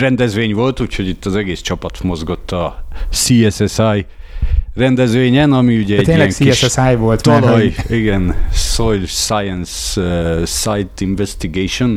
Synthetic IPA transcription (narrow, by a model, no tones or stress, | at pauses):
rɛnd̪ɛzʋeːɲʋo̞lt̪uːcho̞ɟit̪ːɒzɛɡeːst͡ʃɒpɒt̪mo̞zɡo̞t̪ːɒsiːɛsɛsaj | rɛnd̪ɛzʋeːɲɛnɒmiuɟɛɛeːilɛŋsiiɛʃsɛsajvolt̪t̪ɒlɒjiɡɛnsojlsajɛns | sajt̪iɱvɛst̪iɡeːʃon